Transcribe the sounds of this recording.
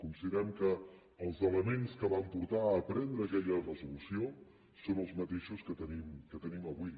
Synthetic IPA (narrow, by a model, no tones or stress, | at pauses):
kunsiðəɾɛmkəː | lˠzələmenskəβampuɾt̪aəːpɾɛnd̪ɾəːkɛʎərəzulusio | sonəlˠzmət̪eʃuskət̪ənimkət̪əniməβui